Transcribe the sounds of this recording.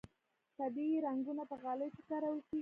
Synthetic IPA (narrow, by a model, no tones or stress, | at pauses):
t̪abiɾaŋɡunapəɣaləjfɪkaɾawəsi